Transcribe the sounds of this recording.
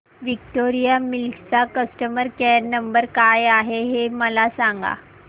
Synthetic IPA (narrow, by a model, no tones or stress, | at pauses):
ʋik̚ʈoɾijamilkt͡sakəsʈəməɾkɛɾnəmbəɾkajaɦeɦeməlasaŋɡa̰